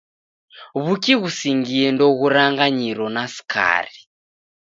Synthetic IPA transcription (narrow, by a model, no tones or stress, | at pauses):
βukiɣusiŋɡiɛndɔɣuɾaŋɡaɲiɾɔnasi̥kʰa̰ːri